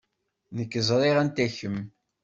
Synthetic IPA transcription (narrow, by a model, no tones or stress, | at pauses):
nəkːəzˤɾˤiʁænt̪æçəm